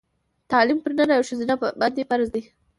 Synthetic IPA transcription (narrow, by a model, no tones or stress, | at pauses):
t̪ɑlimpəɾnənawʃəzinaband̪efaɾzd̪i